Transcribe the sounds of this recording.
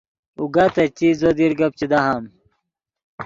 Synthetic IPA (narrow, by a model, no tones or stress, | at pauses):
uɡat̪ɐt͡ɕizod̪iɾɡɐp̚t͡ɕid̪ɐɦam